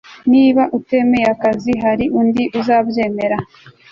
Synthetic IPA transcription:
niːβaʔute̞me̞jeakaziɦaɾiʔundiʔuzaːbje̞ːme̞ɾa

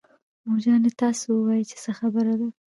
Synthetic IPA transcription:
mod͡ʒɑnet̪ɑsowəwɑjit͡ʃe̥səxabəɾad̪a

